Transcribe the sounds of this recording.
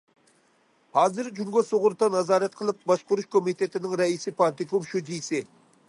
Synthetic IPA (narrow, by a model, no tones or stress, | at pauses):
hɑːzɨɾd͡ʒuŋɡɑsoʁʊɾt̪ɑnɑzɑːɾɛt̪̚qʰəlˠɨp̚bɑʃqʊɾuʃkʰomit̪ʰet̪ʰɪnɪŋɾɛisɪpʰɑɾt̪ɪkumʃud͡ʒijsɪ